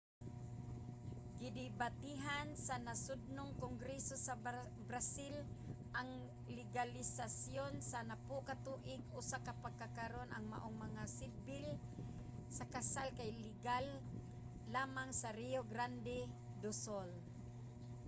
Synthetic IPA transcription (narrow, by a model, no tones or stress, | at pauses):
ɡɪd̪ɪbat̪iɦansanasʊd̪̚noŋkoŋɡɾɛsosa | bɾasɪl | ʔaŋ | lɪɡalɪsasjonsanapʊkat̪uːʔɪɡ̚ʊsakapakakaɾona̰ŋma̰ʔoŋmaŋasɪd̚bɪl | sakasalkajlɪɡalː | aːmaŋsaɾijoɡɾand̪ɛ | d̪ʊsol